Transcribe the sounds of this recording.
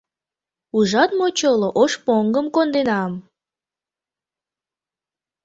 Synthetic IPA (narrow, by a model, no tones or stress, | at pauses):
uʒɑt̪̚mot͡ɕoloʔoʃpoŋɡəmkond̪enɑm